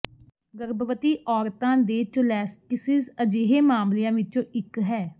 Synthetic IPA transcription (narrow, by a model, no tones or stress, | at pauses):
ɡəɾbəʋət̪iːʔɔːɾt̪ãːd̪eːt͡ʃʊlɛːskɪsɪzəd͡ʒeːɦeːmaːmlijãːʋɪt͡ʃõːʔɪkɦɛː